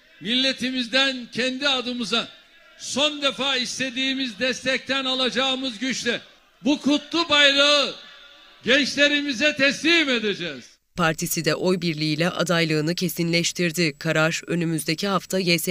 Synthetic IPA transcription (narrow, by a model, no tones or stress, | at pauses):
milʲːe̞t̪ʰimizd̪æncʰɛnd̪iad̪ɯmɯza | so̞nd̪e̞faːist̪e̞d̪iːmizd̪ɛst̪ʰɛc̚t̪ʰænalˠad͡ʒaːɯmɯzɟyt͡ʃlʲɛ | bukʰut̪lˠubajlˠaɯ | ɟɛnt͡ʃlʲe̞ɾimizɛt̪ʰɛslʲiːme̞d̪ed͡ʒɛːz̥ | pʰaɾt̪ʰisid̪ɛʔo̞jbiɾlʲiilʲɛʔa̰d̪ajlˠɯːnɯcʰe̞sinlʲɛʃt̪ʰiɾd̪ikʰaɾaɾø̞nymyzd̪e̞cʰiɦaft̪ʰajɛs